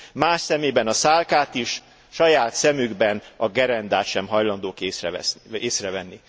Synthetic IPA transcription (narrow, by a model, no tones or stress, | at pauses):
maːʃsɛmeːbɛnɒsaːlkaːt̪iʃ | ʃɒjaːt̪sɛmyɡbɛnɒɡɛɾɛnd̪aːt̪ʃɛmɦɒjlɒnd̪oːkeːsrɛɛ̰seːsrɛvɛnːi